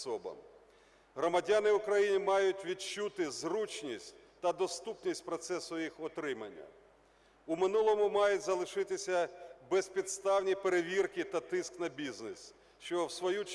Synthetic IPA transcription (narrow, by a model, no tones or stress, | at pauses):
ɔbɐ̰m | ɦɾɔmɐdʲanɪʊkɾɐjinʲimɑjʊtʲʋʲit͡ʃut̪ɪzrut͡ʃnʲisʲtʲ | t̪ɐd̪ɔst̪upnʲisʲtʲpɾɔt̪sɛsʊjixɔt̪ɾɪmɐnʲːɐ̰ | ʊmɪnulˠɔmʊmɑjʊtʲzɐlˠɪʃɪt̪ɪsʲɐbɛspʲid̪st̪ɑwnʲipeɾeʋʲirkɪt̪ɐt̪ɪsknɐbʲiznɪs | ʃt͡ʃɔwsʋɔju